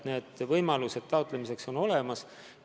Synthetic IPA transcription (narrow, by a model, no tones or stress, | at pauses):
ne̞ːd̪̥vɤjmɑluse̞d̪̥t̪ɑout̪ˑle̞mise̞kso̞no̞le̞mɑs